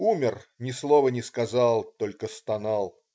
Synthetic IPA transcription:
umʲɪrnʲɪslˠovənʲɪskɐzɑlˠt̪olʲkəst̪ɐnɑlˠ

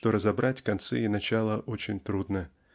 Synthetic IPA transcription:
t̪oɾəzɐbɾʔatʲkɐnt̪sɛ̰inɐt͡ɕalˠəʔot͡ɕɪnʲt̪ɾud̪nə

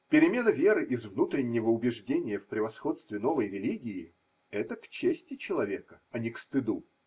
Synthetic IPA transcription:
pʲɪɾʲɪmʲe̞nəvʲe̞ɾɨʔɪzvnut̪ɾʲɪnʲːɪvəʊbʲɪʐdʲenʲɪjəfpɾʲɪvɐsxo̞t̪st̪vʲɪno̞vəjɾʲɪlʲiɡʲɪː | ɛt̪əkt͡ɕːesʲtʲɪt͡ɕɪlˠɐvʲe̞kəɐnʲɪkst̪ɨd̪u

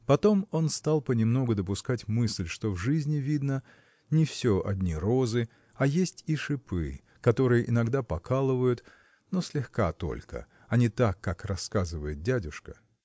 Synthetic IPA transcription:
pɐt̪o̞mo̞nst̪alˠpənʲɪmno̞ɡʊd̪əpʊskatʲmɨsʲlʲʂt̪o̞vʐɨzʲnʲɪvʲid̪nə | nʲɪfsʲoʔɐ̰dʲnʲiɾo̞zɨ | ɐjesʲtʲiʂɨpɨ̰ | kɐt̪o̞ɾɨjəʔɪnɐɡd̪apɐkʰalˠɨvəjʊt̪ | nosʲlʲɪxkat̪o̞̰lʲkə̰ | ɐnʲɪt̪akːakrɐskazɨvəjɪt̪̚dʲædʲʊʂkə

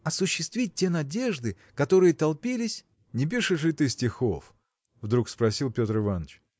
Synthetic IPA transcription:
ɐsʊɕːɪst̪vʲit̚ʲtʲːe̞nɐdʲe̞ʐd̪ɨ | kɐt̪o̞ɾɨjət̪ɐlˠpʲilʲɪsʲ | nʲɪp̬ʲiʂɨʂlʲɪt̪ɨsʲtʲɪxof | vd̪ɾukspɾɐsʲilˠpʲo̞t̪ɾɨvanət͡ɕ

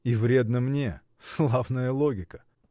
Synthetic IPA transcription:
ivɾʲe̞d̪nəmnʲe | slˠavnəjəlˠoɡʲɪkə̥

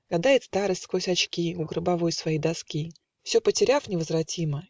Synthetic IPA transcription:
ɡ̥ɐd̪ajɪt̪st̪aɾɨsʲtʲskvosʲɐt͡ɕkʲiʊɡɾɨbɐvo̞jsvɐjid̪ɐskʲi | fsʲɵpətʲɪɾʲafnʲɪvəzvrɐtʲimə

